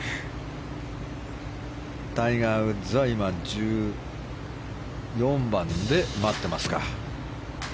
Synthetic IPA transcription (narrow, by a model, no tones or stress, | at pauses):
t̪aiŋaɯ̟zɨaimad͡ʑɨː | jõ̞mbãnd̪e̞mat̪ːe̞masɨ̥ka̰